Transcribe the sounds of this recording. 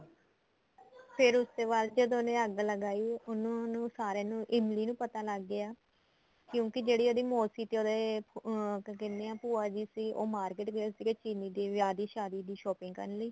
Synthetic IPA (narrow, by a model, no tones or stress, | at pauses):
pʰɪɾʊsd̪eːbaːld͡ʒəd̪õːnẽːəɡləɡaːiːʊnõːnũːsaːɾeːnũːʔɪmliːnũːpət̪aːləɡːɪaː | kjõːkɪd͡ʒeːɽiːoːd̪iːmoːsiːt̪eːoːd̪eː | kɪndeːãːpuːaːd͡ʒiːsiːo̰ːmaːɾkeːʈɡəasiːket͡ʃiːniːd̪eːʋjaːd̪iːʃaːd̪iːd̪iːʃɔːpɪ̃ŋɡkə̰nləiː